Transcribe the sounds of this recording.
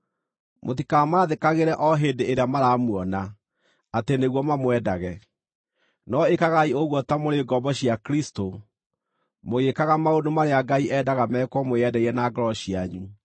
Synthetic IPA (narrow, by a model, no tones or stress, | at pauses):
motikamaðekaɣeɾɛʔɔɦeːndeeɾeamaɾamwɔna | ateneɣwɔmamwɛdaɣɛ | nɔekaɣaioɣwɔtamoɾeɡɔbɔɕiakɾisto | moɣekaɣamaodomaɾeaɡaiʔɛdaɣamɛːkwɔmoɛdɛiɾɛnaɡɔɾɔɕiaɲu